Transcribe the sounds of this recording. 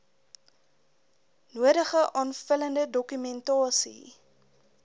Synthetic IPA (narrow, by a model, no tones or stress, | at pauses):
nuəɾəχəʔɑːnfələndədɔkymɛntɑːsḭ